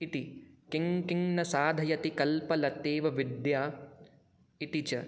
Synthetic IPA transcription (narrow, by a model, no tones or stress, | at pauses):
it̪ikɪŋkiŋnɐsaːd̪ʱɐjɐt̪ikɐlpɐlɐt̪eːʋɐʋid̪jaː | it̪it͡ʃɐ